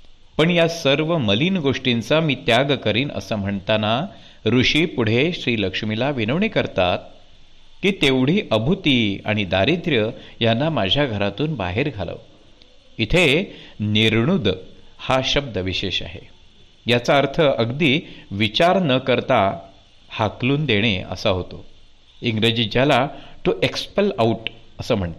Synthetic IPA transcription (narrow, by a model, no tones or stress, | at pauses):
pəɳjasəɾʋəməliːnɡoʂʈint͡samiːt̪jaɡkəɾiːnə̰səm̤əɳt̪ana | ɾuʂiːpuɽ̤eɕɾiːləkʂmilaʋinəʋɳikəɾt̪at̪̚ | kiːt̪eʋɽ̤iːʔəbʱut̪ia̰ɽ̃id̪aɾit̪ɾjəjanːamad͡ʑʱjaɡʱəɾat̪uːnba̰ɦeɾɡʱalə̰ʋ | it̪ʰeniɾɳud̪haɕəb̚d̪əʋiɕeɕa̰ɦḛ | jat͡saəɾt̪ʰəʔəɡd̪iːʋit͡ɕaɾnəkəɾt̪a | hakluːnd̪eɽ̃eə̰saɦot̪o̰ | iŋɡɾed͡ʑid͡ʑalaʈ̪uʔekspəlauʈəsəːm̤əɳt̪e